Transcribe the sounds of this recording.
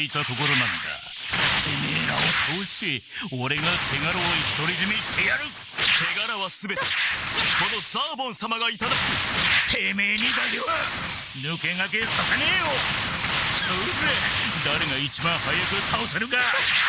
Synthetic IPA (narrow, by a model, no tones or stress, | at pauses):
it̪ako̞ko̞ɾo̞nãnd̪a̰ | t̪ʰemeɾaβad̪oːɕi̥t̪eoɾe̞ɡat̪ʰe̞ɡaɾoːiçi̥t̪o̞ɾʲiʑimeɕi̥t̪ejaɾɯ̟ | t̪ʰe̞ɡaɾaβasɨbe̞t̪eko̞no̞d͡zaːbõ̞ñsamaɡait̪ad̪akɯt̪ʰemeːɲ̟id̪aɡea | nɯ̟ke̞ŋak̬esaseneːjo | ɕazed̪aɾe̞ɡait͡ɕibãɰ̃hajakɯ̟kʰaõsaɾɯ̟ka